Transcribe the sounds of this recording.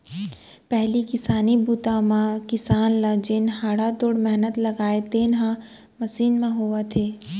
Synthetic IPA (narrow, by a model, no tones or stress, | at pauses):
pɛɦlikɪsaːnibuːt̪amãkɪsaːnlɐd͡ʒɪnɦaːɽat̪oːɽmɛɦnət̪lɐɡaːet̪eːnɦã | mɐsiːnmẽɦoat̪ʰeː